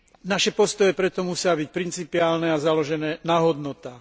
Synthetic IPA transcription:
naʃɛpɔst̪ɔjɛpɾɛt̪ɔmusɪabic̚pɾint͡sipiaːlnɛazalɔʒɛnɛːnaɦɔd̪nɔt̪aː

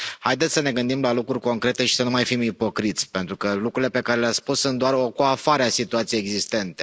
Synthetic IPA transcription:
hajd̪et̪sʲsəne̞ɡɨnd̪imlalukɾurʲko̞ŋkɾe̞t̪e̞ʃi̥sənumajfimipo̞kɾit̪sʲpe̞nt̪ɾukəlukɾuile̞pe̞kaɾe̞leaspussunt̪̚d̪oarokoafaɾeasit̪uat̪sijejeɡzist̪e̞nt̪e̞

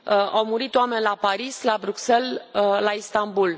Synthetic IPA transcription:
əawmuɾit̪oame̞nʲlapaɾislabɾukse̞lːaist̪ambul

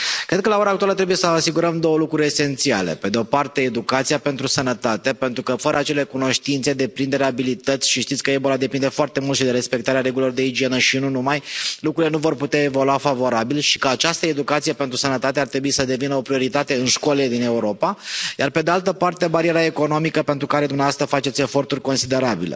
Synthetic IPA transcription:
kɾed̪kəlao̞ɾaːk̚t̪ualət̪ɾebuje̞səasiɡuɾəmd̪o̞wəlukɾuɾʲe̞se̞nt̪sia̰le̞̰pe̞d̪eo̞part̪e̞ːd̪ukat̪sijape̞nt̪ɾusənət̪at̪e̞pe̞nt̪ɾukəfəɾəat͡ʃe̞le̞kuno̞ʃt̪int̪se̞d̪e̞pɾind̪e̞ɾeabilit̪ət̪sʲʃiʃt̪it̪sʲkəe̞bo̞lad̪e̞pind̪e̞foart̪e̞mult̪ʃid̪e̞ɾe̞spe̞k̚t̪aɾeaɾeɡulilord̪e̞id͡ʒie̞nəʃinunumajlukɾuile̞nuvo̞rput̪eaevoluafavo̞ɾabilʃi̥kəat͡ʃast̪əe̞d̪ukat̪sijepe̞nt̪ɾusənət̪at̪eart̪ɾe̞buisəd̪e̞vinəo̞pɾio̞ɾit̪at̪e̞ɨnʃko̞led̪ine̞uɾo̞paja̰rpe̞d̪ealt̪əpart̪e̞baɾieɾae̞kono̞mikəpe̞nt̪ɾukaɾe̞d̪umnɛavast̪ɾəfat͡ʃe̞t̪sʲe̞fo̞rt̪urʲko̞nsid̪e̞ɾabḭlḛ

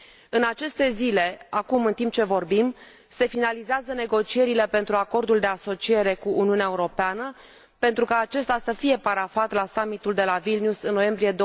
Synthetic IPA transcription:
ɨnat͡ʃe̞st̪e̞zile̞akumɨnt̪imp̚t͡ʃe̞vo̞rbim | se̞finalizeazəne̞ɡo̞t͡ʃie̞ɾile̞pe̞nt̪ɾuako̞rd̪uld̪e̞aso̞t͡ʃie̞ɾe̞kuʔːniuneaeuɾo̞peanə | pe̞nt̪ɾukaːt͡ʃe̞st̪asəfije̞paɾafat̪lasamit̪uld̪e̞lavilniusɨnːo̞je̞mbɾije̞d̪o

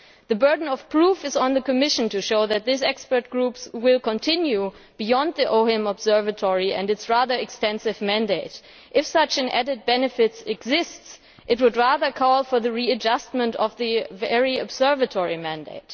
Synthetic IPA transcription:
ðɨbɜ˞dⁿn̩ʌv̥pʰɹ̥ufɨzn̩ðɨkɨmɪʃntuʃoʊðɨt̪̚ðɪs̬ɛkspə˞t̚ɡ̥ɹupswɪlˠkə̃ntʰɪ̃nju | b̥ijɔ̃nd̪̚ðiʔoʊɛ̃mɔbz̥ɜ˞vɨtʰɔɹiɨ̰̃ndɨtsɹæðə˞ɨkstɛ̃nsɨvmæ̃ndeɪt | ʔɨfsʌt͡ʃɨ̃nʔɛ̰ɾɨd̚bɛnɨfɪtsɛɡzɪsts | ʔɨt̚wʊdɹæðə˞kʰɔlˠfɔ˞ðɨɹiɨd͡ʒʌst̚mə̃ntʌvðɨvɛɹiɔbzɜ˞vɨtʰɔɹimæ̃ndḛɪt

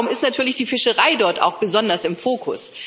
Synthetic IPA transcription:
ʊmɪstnatʰyːɐlɪçd̥iːfɪʃəʁaɪdɔɐta̰ʊxb̥əzɔndɐsɪmfoːkʰʊ̰s

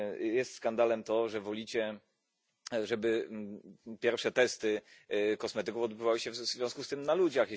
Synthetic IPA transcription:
jɛst̪skand̪alɛmt̪ɔʐɛvɔlʲit͡ɕɛ | ʐɛbɘ | pʲjɛɾfʂɛt̪ɛst̪ɘkɔsmɛt̪ɘkufɔd̪bɘvawɘɕɛvzvʲjɔ̃skust̪ɘmnalud͡ʑax

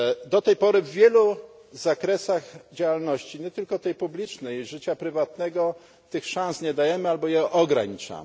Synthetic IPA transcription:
d̪ɔt̪ɛjpɔɾɘvːʲjɛlu | zakɾɛsaɣd͡ʑawalnɔɕt͡ɕiɲɛt̪ɘlkɔt̪ɛjpublʲit͡ʂnɛjʐɘt͡ɕapɾɘvat̪nɛɡɔ | t̪ɘxʂãñsɲɛd̪ajɛmɘalbɔjɛʔɔɡɾaɲit͡ʂa̰m

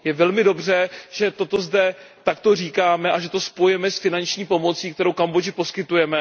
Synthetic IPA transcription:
jɛvɛlmɪdo̞br̝ɛʒ̥ɛt̪ot̪o̞zdɛt̪akt̪o̞r̝iːkaːmɛʔaʒɛt̪o̞spojɛmɛsfɪnant͡ʃɲiːpo̞mo̞t͡siːkt̪ɛɾowkambo̞d͡ʒɪpo̞skɪt̪ujɛmɛ

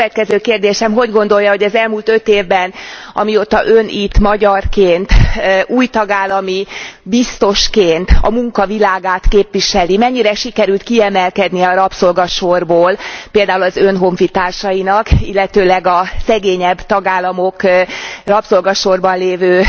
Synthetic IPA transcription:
ɛt̪̚kɛzøːkeːrd̪eːʃɛmɦo̞ɟɡo̞nd̪o̞ljɒho̞ɟɛzɛlmuːlt̪ø̞t̪eːvbɛnɒ̰miot̪ːɒʔønʔit̪mɒɟɒrkeːnt̪uːjt̪ɒɡaːlːɒmibist̪o̞ʃkeːnt̪ɒ̰muŋkɒvilaːɡaːt̪keːpʋiʃɛlimɛɲːiɾɛʃikɛɾylt̪kiɛmɛlkɛd̪niɛɒɾɒpso̞lɡɒʃorboːlpeːld̪aːulɒzønɦo̞ɱfit̪aːrʃɒjinɒkilːɛt̪øːlɛɡɒsɛɡeːɲɛbt̪ɒɡaːlːɒmo̞krɒpso̞lɡɒʃo̞rbɒnleːvøː

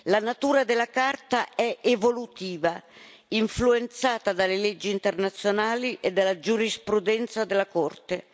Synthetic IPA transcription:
lanat̪uːɾad̪elːakart̪aɛʔevolut̪iːva | iɱfluent̪saːt̪ad̪alelɛd͡ʒːiːnt̪ernat̪sjonaːliʔed̪ːalːad͡ʒuɾispɾud̪ɛnt̪sad̪elːakɔrt̪e

